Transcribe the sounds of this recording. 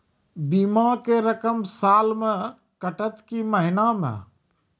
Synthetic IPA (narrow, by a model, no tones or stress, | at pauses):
biːmakeɾəkəmsaːlmẽ | kəʈət̪kiməɦɪnamḛ̃ː